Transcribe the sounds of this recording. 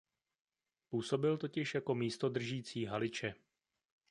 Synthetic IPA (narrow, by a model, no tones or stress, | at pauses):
puːso̞bɪlt̪o̞cɪʃjako̞miːst̪o̞d̪r̩ʒiːt͡siːɦalɪt͡ʃɛ